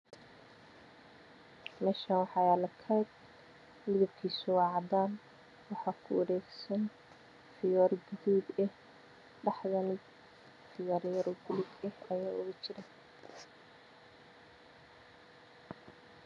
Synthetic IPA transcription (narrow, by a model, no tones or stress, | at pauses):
mɛːʃɐnwɑħɑjaːlɐkʰɐjd̪ | mɪðɐb̚kʰiːsʊwɑʕɑd̪aːn | wɑħɑːkʰʊɔɾɛːɡsɐn | fɪjɔːrɡɪðuːbɛh | ɖɑħðɐnɪd | fɪjɔːrjɐɾʊbʊlɪɡɛhɐjaːʊɣɐt͡ʃɪɾɐ